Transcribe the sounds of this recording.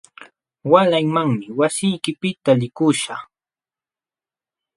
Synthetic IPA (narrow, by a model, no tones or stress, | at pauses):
walaŋmaŋmɪwasɪjkɪpɪt̪alɪkʊʃaχ